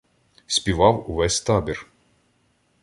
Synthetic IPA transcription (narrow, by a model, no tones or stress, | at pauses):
sʲpʲiʋɑwʊʋɛsʲt̪ɑbʲir